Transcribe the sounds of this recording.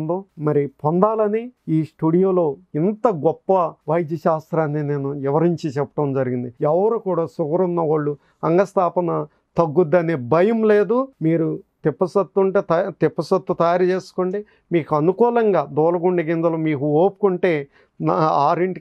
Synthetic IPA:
nd̪oːmɐɾipɔnd̪aːlɐniiːsʈuɽijoːlo̞ːint̪ɐɡɔpːɐʋɐjd̪jɐʃaːst̪ɾaːnːine̞ːnuɛʋɐɾiɲt͡ʃit͡ʃɛpːɐ̥ʈɐmd͡ʒɐɾiɡind̪iɛʋɐɾoːkuːɽaːsukɐɾunːɐʋaːɭːu | ɐŋɡɐst̪aːpɐnɐ | t̪ɐɡːud̪ːɐnebɐjɐmle̞ːd̪umiːɾut̪ipːɐsɐt̪ːuɳʈeːt̪ɐt̪ipːɐsɐt̪ːut̪ɐjaːɾt͡ʃe̞ːsu̥koɳʈeː | miːkuɐnukuːlɐŋɡaːd̪ɔːlɐɡuɳɖiɡind̪ɐlɐmiːkuoːpu̥kuɳʈe̞ː | naːɾiɳʈi

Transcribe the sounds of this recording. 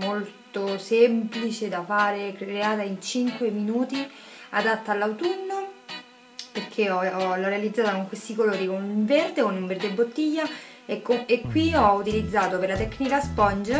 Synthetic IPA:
molt̪osemplit͡ʃed̪afaːɾekɾeaːt̪aint͡ʃiŋkweminuːt̪iad̪at̪ːaalːawt̪unːo | perk̟ʰeɔɔlɔrːealid̪zːaːt̪akoŋkwest̪ikoloːɾikonuɱverd̪ekonuɱverd̪ebːot̪ːiʎːakoekːwiɔut̪ilid̪zːaːt̪opeɾlat̪ɛkːnikaspɔnd͡ʒa

